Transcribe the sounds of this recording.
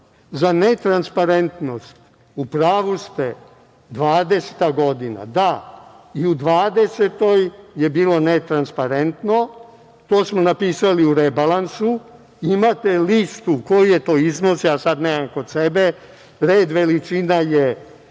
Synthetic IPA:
zanet̪ɾanspaɾe̞nt̪no̞st̪ | upɾaːʋust̪e | d̪ʋaːd̪e̞se̥t̪aɡo̞d̪ina̰d̪a | iud̪ʋaːd̪e̞set̪o̞jjebiːlo̞net̪ɾanspaɾent̪no̞ | t̪o̞ːsmonapiːsaliuɾebalansu | imat̪elist̪ukojujet̪o̞ːiznosjaːsad̪neːmamko̞d̪sebe | ɾeːd̪ʋe̞lit͡ʃinaje

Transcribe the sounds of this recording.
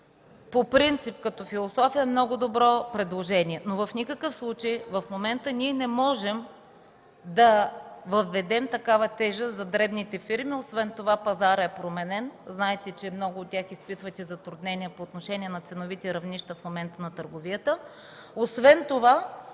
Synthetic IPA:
popɾint̪sipkɐt̪ɔfilˠosɔfiəmnɔɡʊd̪obɾɔpɾɛd̪lˠoʒɛniɛnovɐfnʲikəkəfslˠut͡ʃejvɐfmomɛnt̪əniɛnɛmɔʒɛm | d̪ɐvɐvːɛd̪ɛmt̪ɐkavɐt̪ɛʒɛszɐd̪ɾɛbnit̪ɛfiɾmiosvɛnt̪ovapɐzaɾɛpɾomɛnɛnznaɛt̪ɛt͡ʃɛmnɔɡʊːt̪̚tʲjaxispit̪vɐt̪ʲɛzɐt̪ɾud̪nɛniɛpoːt̪noʃɛnʲiɛnɐt̪sɛnovit̪ɛɾɐvniʃt̪əfmomɛnt̪ənɐt̪əɾɡovijət̪ə | osvɛnt̪ova

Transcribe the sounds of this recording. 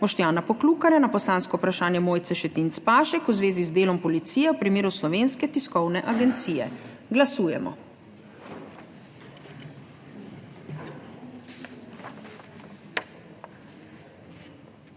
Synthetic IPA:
mɔʃt̪jaːnapɔkluːkaɾjanapɔslaːnskɔwpɾaʃaːnjɛmoːjt̪sɛʃɛt̪int̪spaːʃɛkuzʋeːzizd̪eːlɔmpɔlit̪siːjɛwpɾimeːɾuslɔʋeːnskɛt̪iskɔwnɛʔaɡɛnt̪siːjɛ̰ | ɡlasuːjɛ̰mɔ̰

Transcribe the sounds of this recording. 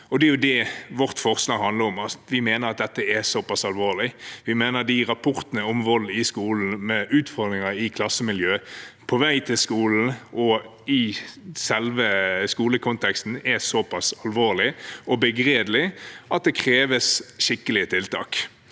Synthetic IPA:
ɔd̪ɛæjʊd̪ɛʋɔʁt̪fɔʁslɑɡɦɑnd̪ləɾɔmɑʋɪmeːnəɾɑt̪̚d̪ɛt̪ːəɛsɔpɑsɑlʋoːʁlɪʋɪmeːnəʁd̪ɪʁɑpʰɔʁt̪ənəɔmʋɔlːɪskuːln̩mɛʔʉːt̪fɔʁd̪ʁɪŋəɪkʰlɑsːəmɪljøːpʰɔʋæɪt̪ʰɪlskuːln̩ʔɔ | ɪsɛlʋəskuːləkʰʊnt̪ʰɛkst̪n̩ɛsɔpʰɑsɑlʋoːʁlɪʔɔbəɡɾeːd̪lɪʔɑt̪̚d̪ɛkʰʁeːʋəsʃɪkːəlɪət̪ʰɪlt̪ʰɑːk

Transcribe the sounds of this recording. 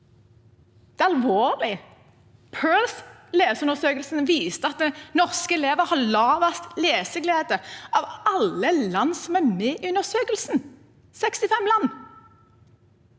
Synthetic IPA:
d̪̥ɛːɑlʋoːʁlɪ | pʰøːlsleːsʉnəsøːkəlsn̩ʋiːst̪əɑt̪̚d̪ɛnɔʁskəɛleːʋəʁhɑlɑːʋɑst̪leːsəɡleːd̪əʔɑʋɑləlɑnsɔmæmeːʔʉnəʁsøːkəlsn̩ | sɛkst̪ɪfɛmlɑnː

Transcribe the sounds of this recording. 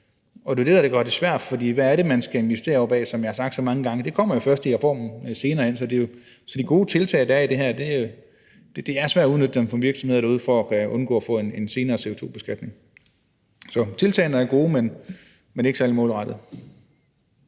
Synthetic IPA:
ɒ̽d̥e̝ɐd̥e̝ɾæd̥eɡ̥ɶɐd̥e̝sʋæɐ̰d̥fɒ̽d̥ḭːʋæːɐɾe̝mænsɡ̥æe̝nʋesd̥e̝̰ːɐɒʊb̥ɛ̰ːsɒ̽mjɑ̈hɑsɑ̈ɡ̥d̥sɒ̽mɑ̈ŋəɡ̥ɑ̈ŋəd̥e̝kʰɒ̽m̰ɐjo̝fɶɐsd̥iɐfɒ̰ːmn̩se̝ːnɐːen̰sɒ̽d̥e̝jo̝ | sɒ̽d̥iɡ̥o̝ːt͡sʰe̝lt͡sʰɛ̰ɪd̥æɐid̥e̝ɦæɐ̰d̥e̝ | d̥ed̥e̝æɐsʋæɐ̰ɒuðˠnød̥əd̥emfɒmʋiɐɡ̥sɒ̽mhð̰ˠdæuð̞̰ˠfɒækʰæɔ̽nɡ̥ɔ̰̽ːɐfɔ̰̽ːe̝ne̝nse̝ːnɐːse̝ot͡sʰo̝̰ːb̥e̝sɡ̥æd̥ne̝ŋ | sɒ̽t͡sʰe̝lt͡sʰɛ̰ːnɐæɐɡ̥o̝ːmen | mene̝ɡ̥sælmɔ̰ːlʁɑd̥ð̩ˠ

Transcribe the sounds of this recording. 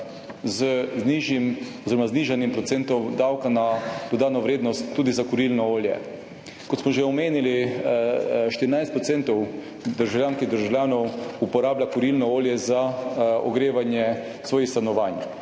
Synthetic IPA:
zəzniʒimɔziɾɔmazniːʒanimpɾɔt̪sent̪ɔmd̪awkanapod̪aːnɔʋɾeːd̪nɔst̪ːuːd̪izakɔɾilnɔoːljɛ̰ | kɔt̪smɔʒeɔmeːnili | ʃt̪iɾinajst̪pɾɔt̪sent̪ɔw | d̪əɾʒawlʲjaːnskid̪əɾʒawlʲjaːnɔwupɔɾaːblʲakɔɾilnɔoːljɛzaɔ̰ɡɾeːʋanjɛ | sʋoːjixst̪anɔʋaːn

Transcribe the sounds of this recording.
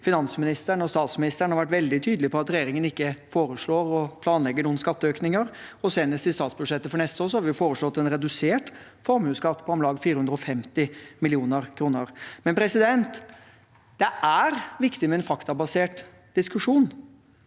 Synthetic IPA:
fɪnɑnsmɪnɪst̪əɳɔst̪ɑːt̪smɪnɪst̪əɳəhɑɾʋæʈ̬ʋɛld̪ɪt̪ʰyːd̪lɪpʰɔɑt̪ɾɛjeːɾɪŋənɪkːəfoːɾəʂɭoːɾɔpʰlɑːnlɛɡːəɳuːənskɑt̪ːəøːknɪŋəɾɔseːnəst̪ɪst̪ɑːt̪sbʉd̪ʂɛt̪ːəfɔɳɛst̪əoːɾsɔhɑɾʋɪjʊfoːɾəʂɭɔt̪ːɛnɾɛd̪ʉseːʈ | fɔɾmhʉːskɑt̪ːpʰɔɔmlɑːɡfiːɾəhʉnd̪ɾəɔfɛmt̪ɪmɪlɪuːnəɾkʰɾuːnəɾmɛnpʰɾɛsɪd̪ɛnt̪ | d̪̥ɛʔæɾʋɪkt̪ɪmɛɛnfɑkt̪ɑbɑseːʈ | d̪̥ɪskʉʂuːn

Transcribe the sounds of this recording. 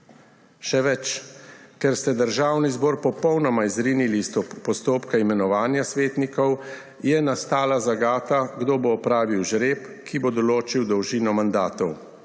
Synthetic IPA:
ʃɛʋɛt͡ʃkɛɾst̪ɛd̪əɾʒaːwnizbɔːɾpɔpɔwnɔmaizɾiːnilist̪ɔpɔst̪oːpkaimɛnɔʋaːnjasʋeːt̪nikɔw | jɛnast̪aːlazaɡaːt̪aɡd̪oːboːpɾaːʋiwʒɾeːp | kʰibod̪ɔloːt͡ʃiwd̪ɔwʒiːnɔmand̪aːt̪ɔw

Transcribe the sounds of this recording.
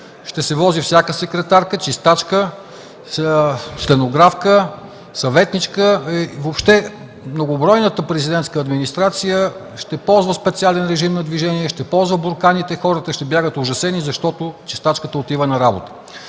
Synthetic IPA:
ʃt̪ɛsɛvɔzifsʲjakəsɛkɾɛt̪aɾkət͡ʃist̪at͡ʃkə | st̪ɛnoɡɾafkə | sɐvɛt̪nit͡ʃkəvopʃt̪ɛ | mnoɡobɾɔjnət̪əpɾɛzid̪ɛnt̪skəːd̪minist̪ɾat̪sijə | ʃt̪ɛpɔlˠzvəspɛt̪sialɛnɾɛʒimnɐd̪viʒɛniɛʃt̪ɛpɔlˠzvəboɾˠkanit̪ɛxɔɾət̪əʃt̪ɛbʲjaɡət̪oʒɐsɛnizɐʃt̪ɔt̪ʊt͡ʃist̪at͡ʃkət̪əot̪ivənɐɾabot̪ə̥

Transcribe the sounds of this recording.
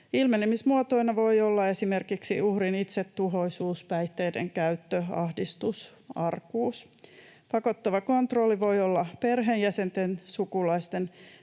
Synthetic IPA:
ilmenemismuot̪o̞inɑʋo̞iolːɑe̞simerkiksiuhrinit̪set̪ːuɦo̞isuːspæjt̪ːeːdḛŋkæyt̪ːøɑhdist̪us | ɑrkuːs | pɑko̞t̪ːɑʋɑko̞nt̪rolːiʋo̞jolːɑperɦenjæsent̪ensukulɑist̪en

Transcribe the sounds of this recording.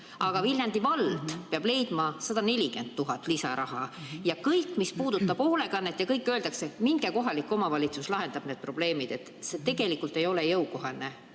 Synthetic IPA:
ʔɑɡ̥ɑvilʲjɑnd̪̥ivɑld̪̥peɑb̥le̞jd̪̥mɑsɑd̪̥ɑne̞lʲiɡe̞nd̪̥̚t̪ːuɦɑt̪ːˑlisɑ̰ɾʔɑɦɑjɑkɤjkːˑmispuːd̪̥ut̪ːˑɑb̥o̞le̞kɑnːet̪ːjɑkɤjkːˑøld̪ɑkse̞miŋɡ̥e̞ko̞ɦɑlikːˑo̞mɑvɑlʲit̪suslɑɦe̞nd̪̥ɑb̥ned̪̚pro̞b̥le̞ːmid̪̥e̞t̪ːˑset̪e̞ɡ̥e̞likːˑult̪ːˑe̞jo̞le̞jɤwko̞ɦɑlne

